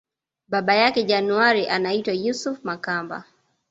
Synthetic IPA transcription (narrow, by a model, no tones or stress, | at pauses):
ɓaɓajakɛʄanuaɾiʔanaitwajusufmakamba̰